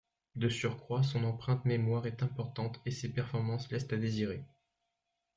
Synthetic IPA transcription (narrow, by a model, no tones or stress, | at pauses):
d̪əsyʁkχwas̬ɔ̃nɑ̃pχɛ̃t̪memwaʁɛt̪ɛ̃pɔʁt̪ɑ̃t̪esepɛʁfɔʁmɑ̃slɛst̪ad̪eziʁe